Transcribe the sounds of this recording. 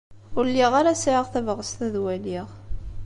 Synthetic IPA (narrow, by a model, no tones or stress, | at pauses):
ʊɾliʁaɾasʕəʁθævʁəst̪æðwæliʁ